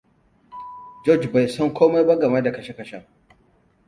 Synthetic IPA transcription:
d͡ʒɔ˦˨d͡ʒba˨jsɔ˦ŋkʰʷoː˦ma˦jba˦ɡɐ˨ma˦da˨kɐ˨ʃe˦kɐ˨ʃa˦˨

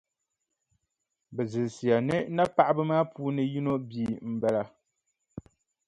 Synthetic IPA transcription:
bɛ˨zɨ˨si˨a˨nɛ˦na˦pa˦ʔbɨ˦maː˦puː˦nɨ˦ji˦no˦biː˨m̩˨bɛ˦la˨

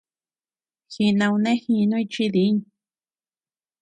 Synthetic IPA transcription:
xi˧nã˧wũ˧nẽ˦xĩ˧nũ˦i˧t͡ʃi˧ði˨˦ɲ

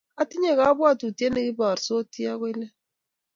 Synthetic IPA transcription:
a˦ti˦ɲɛ˦˨ka˨˦bwa˦˨tu˨ti˦ɛ˦ne˦ki˦ba˨ɾso˦ti˦a˦kwɛ˦lɛ˦

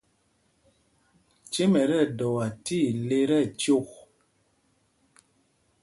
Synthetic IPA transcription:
t͡ʃe˦mɛ˨ɾɛ˦˨dɔ˨a˨ti˦˨le˦ɾɛ˦˨t͡ʃo˦˨k̚

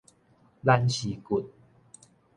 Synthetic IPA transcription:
la˦nɕi˨˦ku˨t̪̚

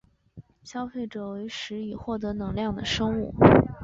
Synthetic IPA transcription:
ɕjɑ˥ʊfe˥˩ɪʈ͡ʂɤ˨˩we˧˥ɪʂɻ̩˧˥i˨˩xwɔ˥˩t̪̬ɤ˧˥nɤ˧˥ŋljɑ˥˩ŋd̪ə˩ʂɤ˥ŋu˥˩

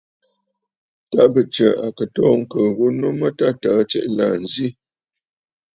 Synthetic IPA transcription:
ta˦bə˨t͡ʃə˨a˨kə˨tɔː˦ŋ̩˦kə˨ɣo˦no˦mə˦ta˦taː˨˦t͡ʃɛ̰˦ʔla˨n̩˨zi˦

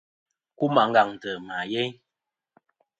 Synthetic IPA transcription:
ku˦ma˨˦ŋ̩˦ɡa˨ŋ˨tə˨ma˨jɛ˦ɲ

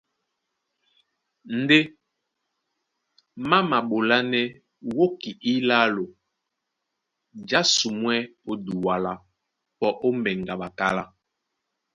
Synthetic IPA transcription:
n̩˦de˦ | ma˦ma˨ɓo˨la˦nɛ˦ | wo˦ki˨ʔi˦la˦lo˨ | d͡ʒa˦su˨mwɛ˦o˦du˨wa˦la˦ | pɔ˦ʔo˦mbɛ˨ŋɡa˨ɓa˨ka˦la˦

